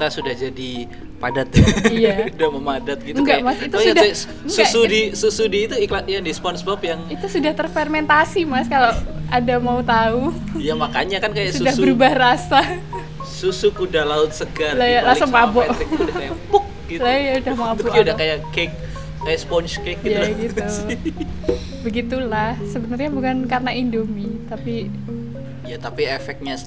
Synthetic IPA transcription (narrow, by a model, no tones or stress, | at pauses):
t̪asudahd͡ʒadi | padat̪ijaudahməmadat̪̚ɡitəuŋɡamasit̪uudaa | susudisusudiːt̪uiklat̪jadispɔnsbɔpjaŋit̪usudaht̪ərfermɛnt̪asimaskalaadamaut̪aujamakaɲakankajaʔsudahbbəɾubahrasa | susukudalaʊt̪̚səɡarlajalasʊŋmabɔʔakajapʊk̚ɡilajaudahmabɔudahkajakek̚ː | ajaʔspɔnt͡ʃkek̚ɡij̪aɡit̪u | bəɡit̪ulahsəbənərɲabukankarənaindomit̪api | jat̪apiefɛk̚ɲa